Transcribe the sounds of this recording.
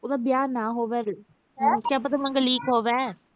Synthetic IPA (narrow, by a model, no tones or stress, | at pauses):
oːd̪aːbjaːnãːɦoːʋɛː | kjãːpət̪aːmə̃ŋɡəliːkɦoːʋɛː